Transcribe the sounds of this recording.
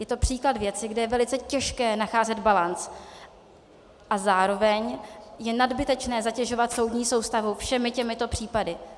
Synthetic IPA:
jɛt̪o̞pr̥iːkladvjɛt͡sɪɡdɛjɛvɛlɪt͡sɛcɛʃkɛːnaxaːzɛd̪balant͡s | ʔazaːɾo̞vɛɲjɛnadbɪt̪ɛt͡ʃnɛːzacɛʒo̞vat̪so̞wdɲiːso̞wst̪avufʃɛmɪcɛmɪt̪o̞pr̥iːpadɪ

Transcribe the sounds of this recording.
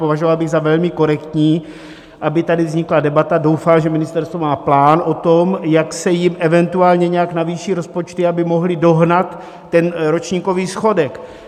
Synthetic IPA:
povaʒovalbɪɣzavɛlmɪko̞ɾɛkt̪ɲiː | ʔabɪt̪adɪvzɲɪkladɛbat̪ado̞wfalʒɛmɪnɪst̪ɛɾst̪vomaːplaːnʔo̞t̪o̞mjaksɛjɪmʔɛvɛnt̪uaːlɲɛɲɛjaknaviːʃiːɾo̞spo̞t͡ʃt̪ɪabɪmo̞ɦlɪdo̞ɦnat̪ː | ɛnɾo̞t͡ʃɲiːko̞viːsxo̞dɛk

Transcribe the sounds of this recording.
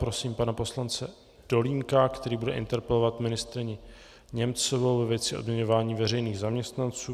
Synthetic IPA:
pɾo̞siːmpanapo̞slant͡sɛ | d̥o̞liːŋkakt̪ɛɾiːbudɛʔɪ̰nt̪ɛɾpɛlo̞vat̪mɪnɪst̪ɾɪɲɪ | ɲɛmt͡sovowvɛvjɛt͡sɪʔo̞dmɲɛɲo̞vaːɲiːvɛɾɛjniːɣzamɲɛst̪nant͡suː

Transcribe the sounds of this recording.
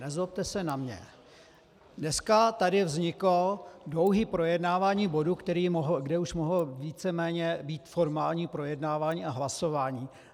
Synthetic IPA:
nɛzop̚t̪ɛsɛnamɲɛ̰ | dnɛskat̪adɪvzɲɪklodlo̞wɦiːpɾo̞jɛdnaːvaːɲiːbo̞dukt̪ɛɾiːmoɦɡdɛuʃmoɦl̩viːt͡sɛmɛːɲɛbiːt̪foɾmaːlɲiːpɾo̞jɛdnaːvaːɲiːaɦlaso̞vaːɲiː

